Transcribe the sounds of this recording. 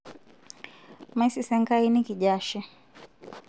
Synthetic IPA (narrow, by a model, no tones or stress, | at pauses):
maisisɛŋɡainikiʄaʃɛ